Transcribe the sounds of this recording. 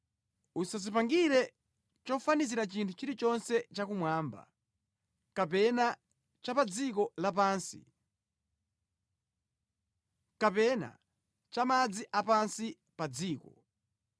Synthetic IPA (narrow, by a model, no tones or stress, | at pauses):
usazipaŋɡiɾɛ | t͡ʃɔfaniziɾat͡ʃintʰut͡ʃiɾit͡ʃɔnsɛt͡ʃakumwaːmba̰ | kapɛna | t͡ʃapad͡zikɔlapaːnsḭ | kapɛna̰ | t͡ʃamad͡ziʔapansi | pad͡ziːkɔ